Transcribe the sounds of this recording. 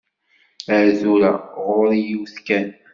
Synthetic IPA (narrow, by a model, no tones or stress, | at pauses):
əɾðuɾaʁʊɾjiwθkæn